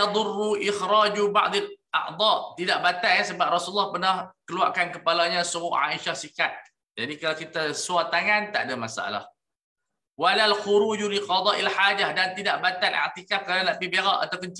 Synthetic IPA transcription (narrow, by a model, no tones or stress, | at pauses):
d̪ˤʊrːuʔɪxɾad͡ʒuba̰ʔd̪ˤɪlʔa̰ʔd̪ˤɑt̪idaʔ̚bat̪aasəbap̚rɔsulːahpərnahkəlua̰ʔkankəpalaɲãsəmʊʔʕa̰ʔiʃahsikat̪̚ | d͡ʒadikalakit̪asuat̪aŋant̪a̰ʔdamasaʔa̰la̰h | walalxuɾuːd͡ʒuliqɑd̪ˤɑʔilħaːd͡ʒahdant̪idaʔbat̪alʔa̰ʕt̪ikafkalalaʔbibeɣaʔa̰t̪awpənt͡ʃ